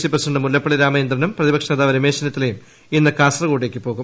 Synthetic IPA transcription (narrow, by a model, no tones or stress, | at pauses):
sipɐrsɐɳɖɨmulːɐpːɐɭiɾaːmɐjind̪rɐnɐmprɐðibɐkʂɐnɐd̪aːʋɐɾɐme̞ːɕɐnɐt̪ːilejum | inːɨkaːsrɐɣoːɽileːkʲːɨpo̞ːɣum